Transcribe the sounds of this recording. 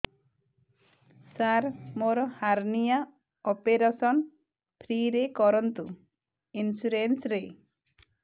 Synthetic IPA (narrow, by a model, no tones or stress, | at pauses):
saɾmoɾɔhaɾnija | ɔpeɾasɔn | pʰɾiɾekɔɾɔnt̪u | insuɾensɾe